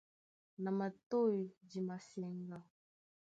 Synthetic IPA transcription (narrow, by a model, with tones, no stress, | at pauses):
na˨ma˨to˦˨ji˨d͡ʒi˨ma˨sɛ˨ŋɡa˦